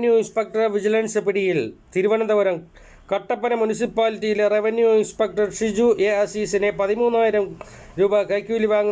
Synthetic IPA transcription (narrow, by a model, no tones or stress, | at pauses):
njuinspek̚ʈɐrʋid͡ʑilɐnsɐpiɽijilt̪iɾuʋɐnɐnd̪ɐʋɐɾɐm | kɐʈːɐpːɐnɐmunis̬ipːaːlitːijilereʋɐnjuinspek̚ʈɐrʂid͡ʑuʔeɐsisinepɐðimuːnːaːjiɾɐm | ɾuːbɐkɐjkʲjuːliʋaːŋ